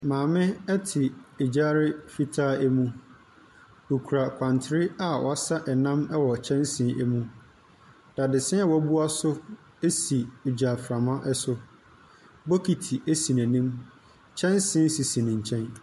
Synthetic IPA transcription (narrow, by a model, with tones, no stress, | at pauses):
mãː˨mɪ̃˦ɛ˦tʰɪ˨e˨d͡ʑaː˦ɾɪ˦fi˦tʰaː˦ɛ˦mũ˦ | o˨kʰu˨ɾa˨kʷʰã˨ntʰɪ˨ɾɪ˦a˨wɔ̰˨a˦sa˦ʔɛ˨nã˦mɛ˦wɔ˨t͡ɕʰɛ̃˦nsɪ̃˦ʔɛ˦mũ˦ | d̥a˨dɪ˨sɪ̃˦a˦wɔ˦bu˦a˦sʊ˦ | e˦si˨o˨d͡ʑa˨fɾã˨mã˦ʔɛ˦sʊ˦ | bo˦kʰi˨tʰi˨ʔe˦si˨næ̃˨nĩ˦m | t͡ɕʰɛ̃˦nsɪ̃˦n˦si˨sĩ˨nɪ̃˨ɲ̩˨t͡ɕʰɛ̃˦n